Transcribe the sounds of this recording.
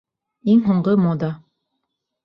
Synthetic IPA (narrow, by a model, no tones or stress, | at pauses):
iŋɦuɴɢɤmod̪ɑ